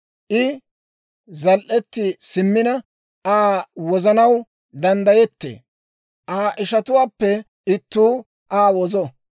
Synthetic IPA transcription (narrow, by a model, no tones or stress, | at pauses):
ʔɪ | zɐlʔɛt̪ːɪsɪmːɪnɐ | aːwɔzɐnɐw | d̪ɐnd̪ɐjɛt̪ːḛː | ʔaːʔɪʃɐt̪ʊwaːpːɛ | ɪt̪ːuː | ʔaːwɔzɔ